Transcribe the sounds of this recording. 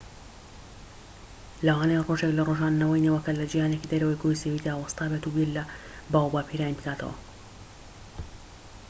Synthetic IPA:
lɐwaːnajroːʒeklɐrˤoːʒaːnːɐwɐjnɐwɐkɐlɐd͡ʒijaːnekid̪ɐɾɐwɐjɡojsewiːd̪aːwɐst̪ˤɑːbet̪uwiɛlːɐ | baːwbaːpʰiɾaːjinbɨkaːt̪ʰɐ̰wɐ̰

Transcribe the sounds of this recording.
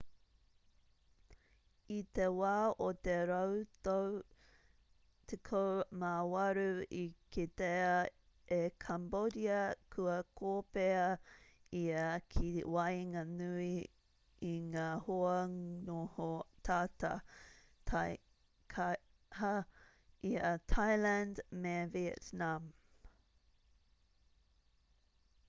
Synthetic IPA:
it̪ewaːot̪eɾɐwt̪ow | t̪ʰekʰomawɐɾuikit̪eɐ | ekʰambodiɐkʰuɐkʰoːpeɐ | iɐkʰiwɐjŋanui | iŋaːhoɐnohot̪ʰaːtɐ̰ | tʰa | kʰa | hɐ | itʰajlændmeviɛ̰tnam

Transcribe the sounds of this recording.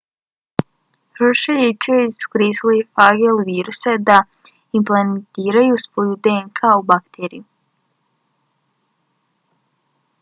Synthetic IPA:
həʃeɾit͡ʃeisu̥kɾiːslifaɡelʋiːɾused̪a | implennt̪iːɾajusʋo̞ːjud̪eeŋkʰaubakt̪eːɾḭu

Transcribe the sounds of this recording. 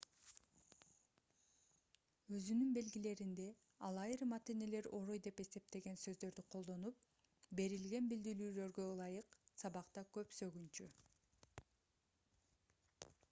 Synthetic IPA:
ø̞zynynbe̞lɡile̞ɾind̪e̞ | ɑlˠɑjiɾmɑt̪ine̞le̞ɾo̞ɾojd̪e̞pe̞se̞p̚t̪e̞ɡe̞nsø̞zd̪ø̞ɾd̪yqʰo̞lˠd̪o̞nup̚ | be̞ɾilɡe̞nbild̪iɾyːlø̞ɾɡølˠɑjɯqsɑβɑqt̪ɑkøpsø̞ɡynt͡ʃy

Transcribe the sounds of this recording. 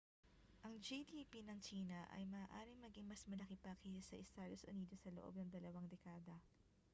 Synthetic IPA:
ʔɐŋd͡ʒid̪ipinɐŋt͡ʃiːnɐʔɐ̰jmɐaːʔaːɾɪŋmɐɡɪŋmɐsmɐlɐkɪpɐkisɐʔɪst̪aːd̪o̞sʔʊniːd̪osɐloʔo̞̰b̚nɐŋd̪ɐlɐwɐŋd̪ɛkaːd̪ɐ

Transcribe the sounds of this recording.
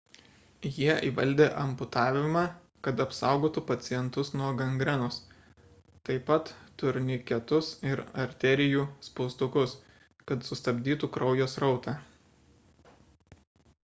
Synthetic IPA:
jiɛiːʋɐlʲˑd̪ʲeːʔɐmpʊt̪ɑːʋʲɪmɑː | kɐt̪ɐpsɑˑʊɡoːt̪upɐt̪sʲɪjɛnt̪ʊsnuɔɡɐŋɡɾʲɛnʊs | t̪ɐɪpɐt̪ːʊɾʲnʲɪkʲɛt̪ʊsɪɾɐɾʲt̪ʲɛɾʲɪjuːspɔːst̪ʊkʊs | kɐt̪sʊst̪ɐbʲd̪ʲiːt̪uːkɾɐʊjoːsɾɒʊt̪ɑː

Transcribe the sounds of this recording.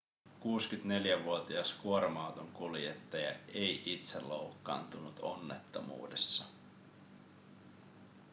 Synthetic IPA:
kuːskyt̪ne̞ljæʋuot̪iɑskuoɾomɑwt̪oŋkuljet̪ːɑjɑ̰e̞jʔit̪selːo̰wkːɑ̰ːnt̪unut̪o̞nːe̞t̪ːo̰mṵːde̞sːɑ

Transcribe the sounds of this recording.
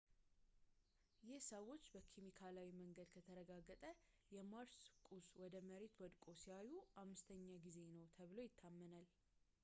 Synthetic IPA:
jɪhsəwo̞t͡ʃːbəkʰemikʰalawiməŋɡəd̪kʰət̪ʰəɾəɡaɡːət̪ʼə | jɛmaɾskʼuswɔd̪əməɾe̞t̪wɔd̪kʼosiajuamːɨst̪ʰəɲːaɡize̞nəwt̪ʰəβɨlo̞jɪt̪ʰːamːənal

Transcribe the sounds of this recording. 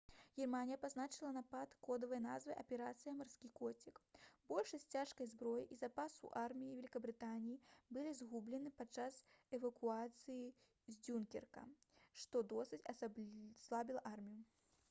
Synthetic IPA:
ɣʲɛrmanʲijɐpaznat͡ʂɨlˠɐnapat̪kɔd̪ɐvɐjna̰zvɨʔɐpʲɛɾat̪sɨjɐmarskʲikɔt͡sʲikbɔlʲʂɐsʲt͡sʲaʂkɐjzbɾɔjḭʔizapasṵʔarmʲijivʲɛlʲikɐbɾɨt̪anʲijibɨlʲizɣublʲɛnɨpat͡ʂasɛvɐkuat̪sɨji | zʲd͡zʲunkʲɛ̰rkɐ̰ʂt̪ɔd̪ɔsɨt͡sʲɐsabʲslˠabʲilˠɐʔarmʲiju

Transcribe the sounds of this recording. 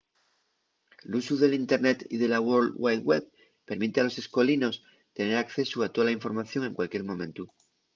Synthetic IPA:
lusuðe̞lint̪e̞ɾnet̪iðe̞lawoɾlwajd̪weβ | pe̞ɾmit̪ealo̞se̞sko̞lino̞s | t̪e̞ne̞ɾakθe̞suat̪oalaiɱfo̞ɾmaθjo̞ŋe̞ŋkwalkje̞ɾmõ̞mẽ̞nt̪u

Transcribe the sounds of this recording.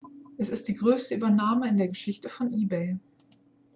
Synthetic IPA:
ʔɛsɪst̚d̥iːɡʁøːstəyːbɐnaːməɪndeːɐɡəʃɪçtəfɔnʔiːbeɪ

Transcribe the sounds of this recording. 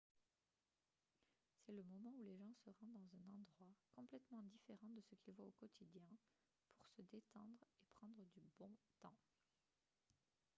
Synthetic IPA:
sɛləmɔmɑ̃uleʒɑ̃səʁɑ̃d̪ɑ̃zɛ̃nɑ̃d̪ʁwakɔ̃plɛt̪mɑ̃d̪ifeʁɑ̃d̪əsəkʲilvwaokɔt̪ʰid̪jɛ̃ | pʰuʁsəd̪et̪ɑ̃d̪ʁepχɑ̃d̪ʁəd̪ybɔ̃t̪ɑ̃

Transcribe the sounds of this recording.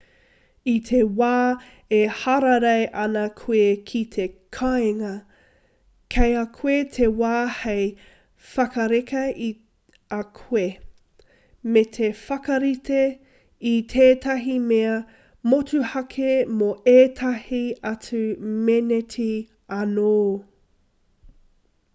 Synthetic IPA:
itʰewaː | ehɐɾɐɾejʔɐnɐkʰuekʰitʰekʰaeŋɐ | kʰejakʰuetʰewaːhej | fɐkɐɾekɐi | ɐkʰue | met̪ʰefɐkɐɾite | it̪ʰeːtɐɦimeɐ | motuhɐkʰemoeːtʰɐhiɐt͡sʉmenetʰi | ɐnoː

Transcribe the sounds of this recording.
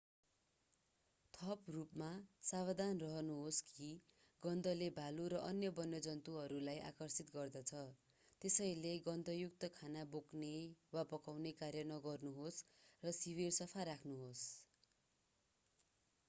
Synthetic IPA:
t̪ʰʌprupmasabʌd̪anrʌɦʌnuɦoski | ɡʌnd̪ʱʌlebʱaluɾʌʔʌnjʌbʌnːʌd͡zʌnt̪uɦʌɾulajʔa̰kʌrsit̪ɡʌrd̪ʌt͡sʰʌ | t̪esʌjleɡʌnd̪ʱʌjuk̚t̪ʌkʰanaboknewapʌkawnekarjʌnʌɡʌrnuɦosrʌsiβirsʌpʰaɾakʰnuɦos

